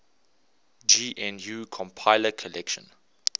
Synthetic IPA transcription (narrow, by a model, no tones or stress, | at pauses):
d͡ʒiːʔɛ̃njukʰɔ̃mpʰaɪləkʰɔlɛkʃɔ̰̃n